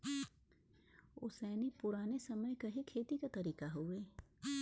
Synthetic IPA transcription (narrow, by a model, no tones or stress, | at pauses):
ʊ̰sɛːnipʊɾaːnesɐməjkɐɦikʰeːt̪ikat̪ɐɾiːkaɦoːeː